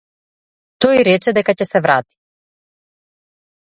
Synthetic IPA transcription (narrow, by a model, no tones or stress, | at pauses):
t̪ojɾɛt͡ʃɛd̪ɛkacɛsɛvɾat̪i̥